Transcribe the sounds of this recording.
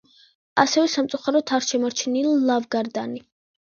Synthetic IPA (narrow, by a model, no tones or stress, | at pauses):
asɛvɛsamt̪sʼuχaɾɔt̪ʰaɾʃɛmɔɾt͡ʃʰnililavɡaɾd̪ani